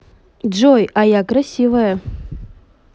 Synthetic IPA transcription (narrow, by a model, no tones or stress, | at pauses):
d͡ʒojajakrasʲivɐjɐ